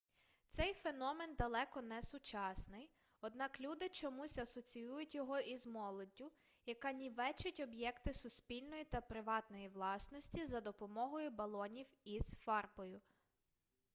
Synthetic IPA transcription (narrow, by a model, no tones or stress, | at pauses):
t̪sɛjfenɔme̞nd̪ɐlˠɛkɔnɛsʊt͡ʃɑsnɪj | ɔd̪nɑklʲud̪ɪt͡ʃɔmusʲɐsɔt͡sʲijujʊtʲjɔɦɔʔizmɔlˠɔdʲːʊ | jɐkɑnʲiʋɛt͡ʃʊtʲɔbjɛkt̪ɪsʊspʲilʲnɔjit̪ɐpɾɪʋɑt̪nɔjiʋlˠɑsnɔsʲtʲizɐd̪ɔpɔmɔɦɔjʊbɐlˠɔnʲiwizfɑrpɔjʊ